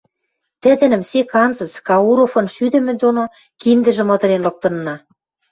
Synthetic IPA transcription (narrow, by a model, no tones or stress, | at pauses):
t̪ɘ̆d̪ɘ̆nɘ̆msekɑnzɤ̆t͡skɑuɾofɤ̆nʃyd̪ɘ̆mĕd̪ono | kind̪ə̆ʒɘ̆mɤ̆t̪ɤ̆ɾenlɤ̆k̚t̪ɤ̆nːɑ